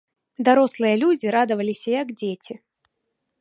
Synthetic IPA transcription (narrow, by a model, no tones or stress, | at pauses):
d̪aɾɔslˠɨjɐlʲud͡zʲiɾad̪ɨvɐlʲisʲɐjɐɡd͡zʲet͡sʲi